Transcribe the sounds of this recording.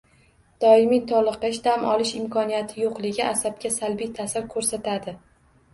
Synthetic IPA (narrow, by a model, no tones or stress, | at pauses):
d̪̥ɒɪmit̪ʰɒlˠɨqɨʃd̪amʔɒlˠɪʃɪmkʰɒnijat̪ʰɪjoqlˠɪɡʲɪasab̚kʲasalbijt̪ʰasaɾkʰɵɾsat̪ʰad̪ɪ